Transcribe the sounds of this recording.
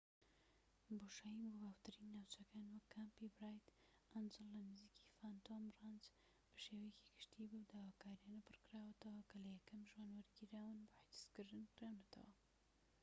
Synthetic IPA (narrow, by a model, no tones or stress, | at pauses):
boʃajimbobawt̪ɨɾinːawt͡ʃɐkaːnwɐkʰːampibɾɑːjt̪ | anzɨlːɐnɨziːki̥faːnt̪ʰomrɑnz | b̥ɐʃeːwɐjeki̥ɡɨ̥ʃt̪ibuwd̪aːwaːkaːɾijaːnɐpʰɨɾkɨɾaːwɐt̪ɐwɐkɐlɐjɛkɐmʒwaːnwɐɾɡiɾaːwɨnbʊħid̪ɨ̥skɨɾd̪ɨnkɨɾanɐt̪ʰɐ̰wɐ̰